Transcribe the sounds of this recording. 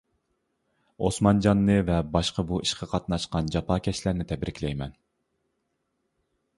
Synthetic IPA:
osmɑnd͡ʒɑnːɨvɛbɑʃqəbuʔiʃqʰɑqʰɑt̪nɑʃqɑnd͡ʒɑpʰɑːkʲɛʃlæɾnɪt̪ʰɛbɾɪkʲlɛjmɛn

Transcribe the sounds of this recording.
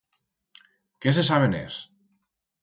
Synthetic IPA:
kes̬esaβ̞enḛs

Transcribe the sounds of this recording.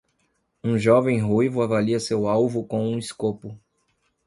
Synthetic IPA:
ũʒɔvẽj̃ɦujvʊavaliɐsewawvʊkõũiskopʊ

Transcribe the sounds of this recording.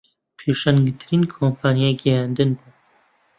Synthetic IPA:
pʰeʃanɡɨt̪ʰɨɾiːnkʰoːmpʰaːnijaɡɛjand̪ɨnbuː

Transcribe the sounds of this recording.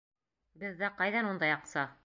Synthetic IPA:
bɘðːæqɑjðɑnund̪ɑjɑqsɑ

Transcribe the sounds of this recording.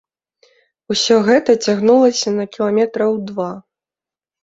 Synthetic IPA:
usʲɔɣɛt̪ɐt͡sʲaɣnulˠɐsʲɐnɐkʲilˠamʲɛt̪ɾɐwd̪va

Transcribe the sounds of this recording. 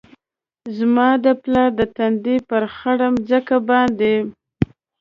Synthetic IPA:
zmɑd̪əplɑɾd̪ət̪and̪epəɾxaɽəmzəkabɑnd̪e

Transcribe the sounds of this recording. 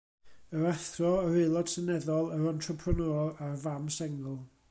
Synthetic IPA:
əɾaθrɔəɾɪlˠɔd̥sənɛðɔlˠəɾɔntʰrəpʰrənɔarvamsɛŋəlˠ

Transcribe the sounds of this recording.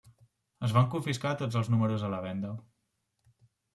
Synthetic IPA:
əzβaŋkuɱfiskat̪od͡zəlˠznuməɾuzələβɛnd̪ə

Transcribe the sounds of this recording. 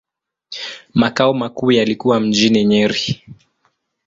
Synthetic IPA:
makaɔmakuːjalikuwam̩d͡ʒiniɲɛɾi

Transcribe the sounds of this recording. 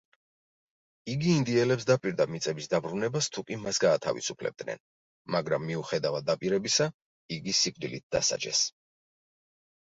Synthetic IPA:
iɡiːnd̪iɛlɛpsd̪apʼiɾd̪amit̪sʼɛbisd̪abɾunɛbast̪ʰukʼimasɡaːt̪ʰa̰vḭsupʰlɛ̰b̚d̪nɛ̰n | maɡɾamːiuχɛd̪avad̪apʼiɾɛbisa | iɡisip̚ʰʼd̪ilḭt̪̚d̪a̰sa̰d͡ʒɛ̰s

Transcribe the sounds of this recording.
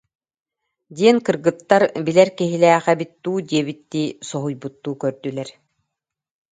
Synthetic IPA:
d̪iɛnkɯɾɡɯt̪ːaɾbilɛɾkiɦilɛːχɛbit̪ːuːd̪iɛβit̪ːiːsɔɦujbut̪ːuːkœɾd̪ylɛɾ

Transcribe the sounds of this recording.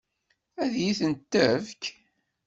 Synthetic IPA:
æðjiθənt̪ːəvk

